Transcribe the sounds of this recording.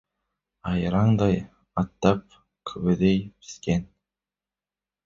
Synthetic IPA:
ɑjɾɑɴd̪ɑj | ɑt̪ːɑp̚ | kʰøβød̪ejpi̥sken

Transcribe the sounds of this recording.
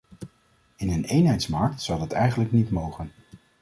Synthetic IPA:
ɪnənejnɦɛjtsmɑɹk̚tsɑwdɑtɛjχənləknitmowχən

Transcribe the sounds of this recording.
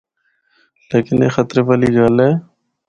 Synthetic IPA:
leːkɪnḛːxət̪ɾeːpəːliːɡaːlɦeː

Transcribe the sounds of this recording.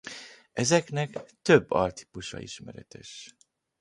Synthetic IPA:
ɛzɛknɛkt̪ø̞bːɒrt̪i̥puʃɒ̰iʃmɛɾɛt̪ɛʃ

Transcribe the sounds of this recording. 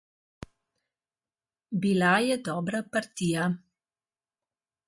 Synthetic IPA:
bilajɛd̪ɔːbɾapaɾt̪iːja

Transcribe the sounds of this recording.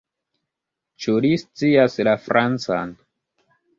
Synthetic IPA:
t͡ʃulist͡siaslafɾʔant͡sa̰n

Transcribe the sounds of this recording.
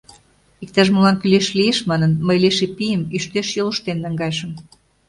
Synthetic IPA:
ik̚t̪ɑʒmulɑnkyleʃlieʃmɑnənməjleʃepijəmiʃt̪eʃjoluʃt̪enːɑŋɡɑjʃə̆m

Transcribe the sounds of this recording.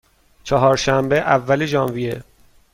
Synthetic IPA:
t͡ʃʰɒɦɒːɾʃæmbeʔævːæleʒɒːnvijḛ

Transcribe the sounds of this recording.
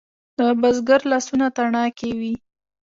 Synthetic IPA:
d̪̥əbazɡaɾlɑsunat̪aɳɑkewi

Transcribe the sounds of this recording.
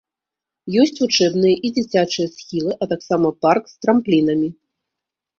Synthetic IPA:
jɔsʲt͡sʲut͡ʂɛbn̪ɨjɐʔid͡zʲit͡sʲat͡ʂɨjɐsxʲilˠɨʔɐt̪aksamɐparkst̪ɾamplʲinɐmʲi

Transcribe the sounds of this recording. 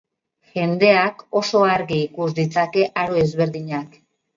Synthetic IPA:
ʝe̞nd̪e̞ako̞so̞aɾɣiːkuzd̪it͡sake̞ʔaɾoe̞zβe̞ɾðiɲak

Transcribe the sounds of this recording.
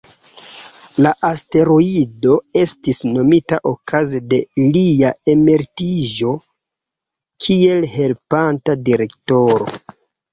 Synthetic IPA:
laʔaste̞ɾoido̞e̞stisno̞mitaʔokʰazede̞liae̞me̞ɾtiʒo̞ | kʰie̞lhe̞lpantadiɾe̞kto̞ɾo̞̰

